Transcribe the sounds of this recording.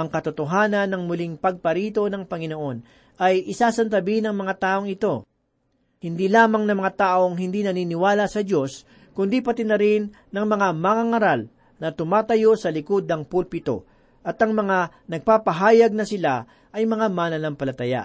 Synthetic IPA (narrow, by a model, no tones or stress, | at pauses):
ʔɐŋkɐt̪ʊt̪oɦaːnɐnːɐŋmʊliŋpɐɡ̚pɐɾiːt̪o̞nɐŋpɐŋɪno̞ʔo̞n | ʔɐjʔɪsaːsɐnt̪ɐbinɐŋmɐŋat̪aːʔo̞ŋɪt̪o̞ | hɪnd̪ilaːmɐŋnɐmɐŋat̪aːʔo̞ŋɦɪnd̪inɐniːnɪwaːlɐsɐd͡ʒo̞s | kʊnd̪ipɐt̪ɪnɐɾɪnːɐŋmɐŋamɐŋaŋɐɾal | nɐt̪ʊmaːt̪ɐjo̞sɐlɪkod̪ɐŋpulpɪt̪o̞̰ | ʔɐt̪ɐŋmɐŋanɐɡ̚paːpɐɦaːjɐɡ̚nɐsɪla | ʔɐjmɐŋamanɐlɐmpɐlɐt̪ɐja̰ʔ